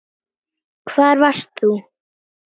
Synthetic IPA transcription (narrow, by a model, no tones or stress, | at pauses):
kʰvaːɾvḁst̪θu